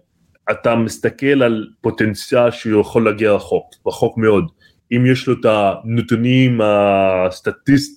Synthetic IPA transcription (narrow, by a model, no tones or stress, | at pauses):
at̪amist̪ake̞lalpo̞t̪e̞nt͡sjalʃeujeχo̞lːaɡiaʁaχo̞kʁaχo̞kmeo̞d̪ | imjeʃlo̞tanot̪unimast̪at̪ist̪